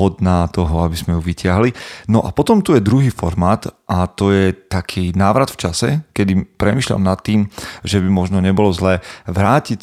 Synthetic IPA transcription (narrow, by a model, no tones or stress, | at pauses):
ɔd̪naːt̪ɔɦɔabizmɛjuʋicɪaɦlinɔʔapɔt̪ɔmt̪ujɛd̪ɾuɦiːfɔɾmaːt̪ʔat̪ɔjɛt̪akʰiːnaːʋɾat̪ft͡ʃasɛ̰kɛd̪ipɾɛmiːʃla̰mnat̪ːiːmʒɛbimɔʒnɔɲɛbɔlɔzlɛːʋɾaːcic